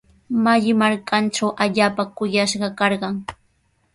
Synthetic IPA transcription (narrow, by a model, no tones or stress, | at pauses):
maʎɪmaɾkʰanʈ͡ʂawʔaʎaːpakʊjaʃɢɑkɑɾɢɑŋ